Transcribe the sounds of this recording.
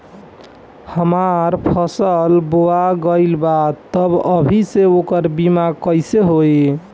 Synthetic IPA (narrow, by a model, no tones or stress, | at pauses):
həmaɾpʰəsəlboaɡəɪlbat̪ːəbəbʱiseokəɾbimakəjseɦoj